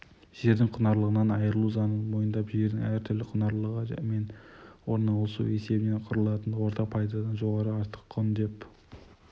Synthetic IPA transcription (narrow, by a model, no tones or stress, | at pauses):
ʒ̥e̞ɾd̪ɪŋqʰʊnɑɾlˠəʁənɑnɑjəɾəlˠuzɑnənmo̞jənd̪ɑpʒe̞ɾd̪ɪŋæɾt̪ʰʏɾlɪqʰʊnɑɾlˠəʁə̰me̞nwo̞ɾnɑlˠəsṵe̞se̞bɪne̞nqʰʊɾəlˠɑt̪ənwo̞ɾt̪ʰɑq̚pʰɑjd̪ɑd̪ɑnʒo̞ʁɑɾəɑɾt̪ə̥qʰːond̪e̞p